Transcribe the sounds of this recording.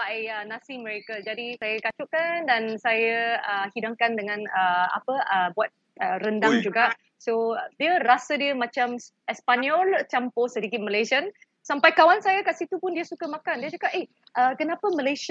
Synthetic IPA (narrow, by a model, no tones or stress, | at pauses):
aʔənãsiməɾekad͡ʒadisajakat͡ʃʊʔkandansajəəhidaŋkandəŋãnəa̰pəəbuat̪̚ | ərəndaŋd͡ʒuɡaʔ | sodiəɾasədiəmãt͡ʃam | ɛspaniɔlt͡ʃamposədikit̪̚məlesian | sampajkawansajakaʔsit̪upʊndiəsukəmãkandiət͡ʃakap̚ʔe | ʔəkənapəməles